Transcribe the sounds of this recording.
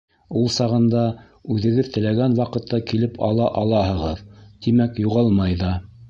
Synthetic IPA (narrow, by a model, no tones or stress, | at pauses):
ulˠsɑʁɤ̆nd̪ɑ | ʉðɘ̆ɡɘðt̪ɘ̆læɡænwɑqɤ̆t̪ʰːɑkilɘpʰɑ̰lˠɑʔɑlˠɑɦɤ̆ʁɤðt̪imækjuʁɑlˠmɑjðɑ